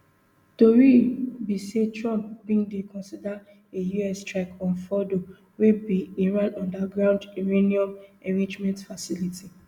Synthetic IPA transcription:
toɾibisetɹɔ̃mp̚bĩŋdekʰɔ̃nsida | ejuɛstɹɛkɔ̃nfɔdo | webiĩɾatɔ̃ndaɡɾãʊndiɹeniɔ̃mɛ̃ɾĩd͡ʒmɛ̃ntfasiliti

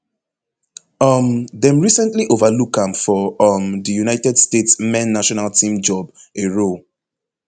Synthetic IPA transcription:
ʌmðɛ̃mɹisɛ̃ntliʔovalukãmfɔʌmðəjunaɪtɛdstetsmɛ̃nːaʃɔnaltʰĩmd͡ʒɔb | eɹol

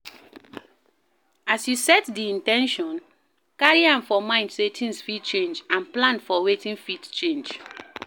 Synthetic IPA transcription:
asjusɛtdiĩntɛ̃nʃɔ̃n | kaɹiãmfɔmãɪ̃ndsetʰĩŋsfid̚t͡ʃẽnd͡ʒãnplãnfɔwetĩnfidt͡ʃẽnd͡ʒ

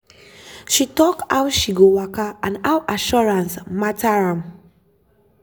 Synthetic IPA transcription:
ʃitɔkawtʃiɡowakaãnawʔaʃɔɹãnsmatʰaɹãm

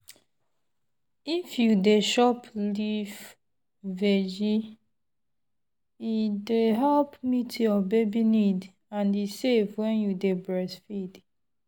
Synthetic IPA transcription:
ifjudeʃɔpliv | ved͡ʒi | ideɦɛlpmitɔbebinid | ãnisevwɛ̃njudebɹɛsfid

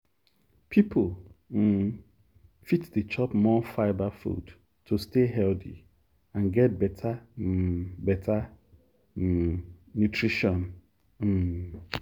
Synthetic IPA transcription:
pʰipʰolm̩ | fitdət͡ʃʰɔpmɔfaɪbafṵd | tʰːustʰeɦɛltḭ | ãnɡɛt̚bɛtʰa | bɛtʰa | utʰɹiʃɔ̃n | m̩

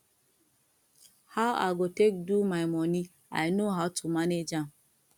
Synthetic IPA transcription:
haa̰ɡotek̚dumajmɔni | a̰jnoɦatʰumaned͡ʒãm

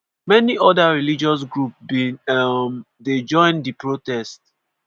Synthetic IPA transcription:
mɛniɔdaɹilid͡ʒɔs̬ɡɹupbĩnm | ded͡ʒɔ̃ɪ̃ndipɹotɛst̚

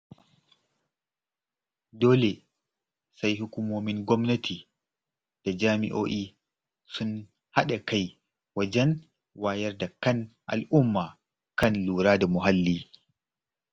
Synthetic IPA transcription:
doːlɛ | sajhukumoːmiŋɡɔmnɐtʰi | d̥ad͡ʒaːmḭʔoːʔi | sun | haɗakaj | wad͡ʒɛn | waːjɛɾdakanʔa̰lʔumːa | kanluːɾaːdamuɦalːi

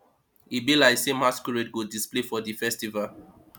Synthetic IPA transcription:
ibilaɪsemaskuɹed̚ɡodisplefɔdifɛstival

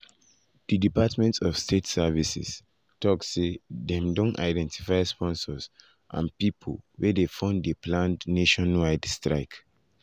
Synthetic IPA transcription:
d̥idipatmɛ̃ntsɔfstʰetsɛvisḭs | tɔksedɛ̃mdõnta̰ɪdɛ̃ntʰifaɪspɔ̃nsɔs | ʔã̰npipʰo̰lwɛdefɔ̃ndeplãndneʃɔ̃nwaɪdstɹaɪk

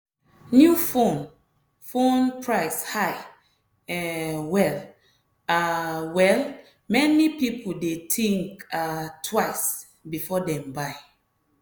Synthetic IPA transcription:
njufõn | fõnpʰɹaɪshaɪ | ɛwɛl | awɛl | mɛnipipʰoldetʰĩŋkatʰwaɪs | bifɔdɛ̃mbaɪ

